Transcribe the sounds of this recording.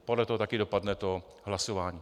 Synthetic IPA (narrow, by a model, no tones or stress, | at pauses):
podlɛt̪oɦot̪akɪdopadnɛt̪o | ɦlasovaːɲiː